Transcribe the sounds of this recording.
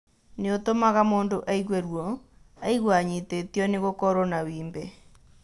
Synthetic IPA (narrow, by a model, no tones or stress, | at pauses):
neotomaɣamoːndoʔaiɣwɛɾwɔaiɣwaɲitetijɔneɣokɔɾɔnawiːmbɛ